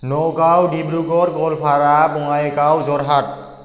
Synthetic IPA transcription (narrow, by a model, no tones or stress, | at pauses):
nɔkawdibɹuɡɔɹɡɔlpʰaɹabɔŋajɛkawzɔɹɦat̚